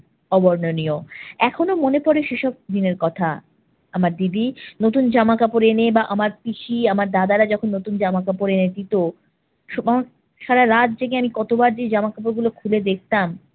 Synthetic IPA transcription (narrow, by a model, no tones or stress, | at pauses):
ɔbɔɾnonioɛkʰonomonepɔɾeʃeʃɔb̚d̪ineɾkɔt̪ʰa | amaɾd̪id̪inot̪und͡ʑamakapoɾenebaʔamaɾpiʃiamaɾd̪ad̪aɾad͡ʑɔkʰonːot̪und͡ʑamakapoɾened̪it̪o | ʃba | ʃaɾaɾad̪̚d͡ʑeɡeamikɔt̪obaɾd͡ʑed͡ʑamakap̬oɾɡulokʰuled̪ek̚t̪am